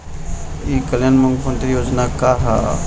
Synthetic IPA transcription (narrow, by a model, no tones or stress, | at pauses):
ikəljanmɐ̃ŋɡpə̃nt̪ɾijoːd͡ʒnakaɦa̰